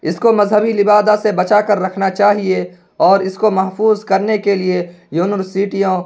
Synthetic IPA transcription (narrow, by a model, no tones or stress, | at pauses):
ɪskomɐzɦəbilɪbaːd̪asebɐt͡ʃaːkɐɾːɐkʰnat͡ʃaːɦie | ɔːɾɪskomɐɦfuːzkɐɾnekelie | juːnəɾsiːʈijõ